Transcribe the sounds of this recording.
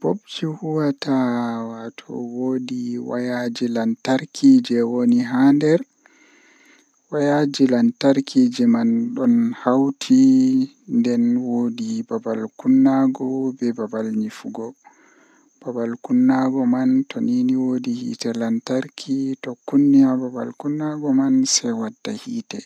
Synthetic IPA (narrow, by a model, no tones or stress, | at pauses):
b̥obt͡ʃihuwatawatʰɔ̰wodiwa̰jad͡ʒilantaɾkʰiːd͡ʒɛwoniɦandɛɾ | wajad͡ʒilantaɾkʰid͡ʒɛmanɗɔnhawtʰi | ndɛnwoːdibabalkunːaɡɔbɛbabalɲifuɡɔ | b̥abalkunːaɡɔmantoniːniwodihḭtɛlantaɾkʰitɔkːunːijababa̰lkunːaɡɔmansɛwadːahiːtɛ